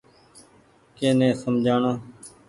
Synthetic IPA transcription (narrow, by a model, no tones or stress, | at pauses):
keːnẽːsəmd͡ʒʱaːɳoː